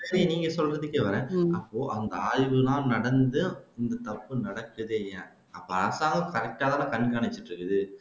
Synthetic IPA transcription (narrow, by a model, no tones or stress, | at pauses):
eːɾɪ̃niːŋɡɐsɔlrɐðɯkːeʋɐɾẽːɐpːoːʔɐnd̪ɐaːɻʋɯlãːnɐɽɐnd̪ɯɪnd̪ɐt̪ɐpːɯnɐɽɐkːɯðeːjɐ̃ | ɐpːoaːsaːɣɐkɐɾɛk̚ʈaːðaːlãkɐnkaːɳɪt͡ʃːɪʈɾɯkːɯðɯ